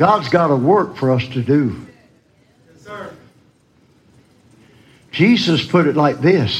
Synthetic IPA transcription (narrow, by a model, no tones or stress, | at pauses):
ɡ̥ɑdzɡɑɾəwɜ˞kfə˞ʌstʰɨdɨ | d̥d͡ʒ̥izəspʰʊɾɨtˡlaɪk̚ðɪs